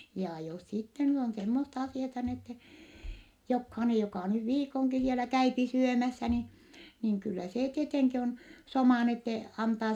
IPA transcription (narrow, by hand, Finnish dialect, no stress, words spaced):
jɑ jos sitːe nyt on semːostɑ ɑsiɑtɑ n etːe jokhɑinej jokɑˑ nyʋ ʋiːkoŋki sielæ kæypi syømæsːæ ni niŋ kylːæ seː tieteŋki on somɑˑ n etːe ɑntɑː